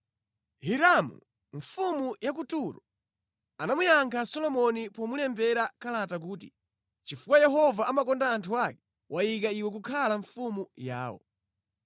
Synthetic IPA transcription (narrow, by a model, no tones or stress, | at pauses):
hiɾamṵ | ɱfumujak̬utuɾɔ | anamujaŋkʰasɔlɔmɔnipɔmulɛmbɛɾakalatak̬uːtḭ | t͡ʃifukwajɛɦɔvaʔamakɔndaːntʰuakɛ | wʔajik̬aiwɛk̬ukʰalaɱfumuja̰ːwɔ̰